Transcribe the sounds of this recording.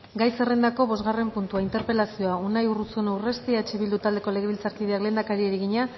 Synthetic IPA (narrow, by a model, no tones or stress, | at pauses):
ɡajse̞re̞nd̪ako̞βo̞zɣare̞mpunt̪uaint̪e̞ɾpe̞lasio̞aunajurut͡suenawre̞st̪iat͡ʃeβild̪ut̪ald̪e̞ko̞le̞ɣ̞eβilt͡saɾkiðeakle̞ːnd̪akaɾieɾiɣiɲa